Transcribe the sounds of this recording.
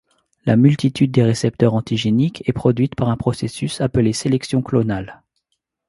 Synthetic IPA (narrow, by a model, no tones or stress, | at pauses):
la̰mylt̪it̪ʰyd̪̚ːeʁesɛp̚t̪œʁɑ̃t̪iʒenikʰɛpχɔd̪ɥit̪paʁɛ̃pχɔsesysapəleselɛksjɔ̃klɔnal